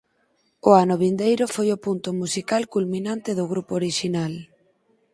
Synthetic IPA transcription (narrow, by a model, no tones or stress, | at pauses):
ʊanʊβ̞ind̪ejɾʊfojʊpunt̪ʊmusikalkulmĩnãnt̪eðʊɣ̞ɾupooɾiʃinal